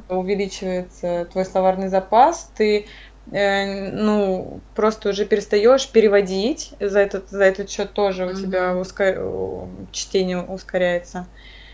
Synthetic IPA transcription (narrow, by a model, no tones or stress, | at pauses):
ʊvʲɪlʲit͡ɕɪvəjɪt̪sət̪vo̞jsˠɐvarnɨjzɐpast̪ɨ | ənupɾo̞st̪əʊʐɛpʲɪɾʲɪst̪ɐjo̞ʂpʲɪɾʲɪvɐdʲitʲzɐɛt̪ət̪zɐɛt̪ət̪ɕːo̞t̪ːo̞ʐɨʊt̪ʲɪbʲaʊskɐ | t͡ɕtʲenʲɪjəʊskɐɾʲæjɪt̪sə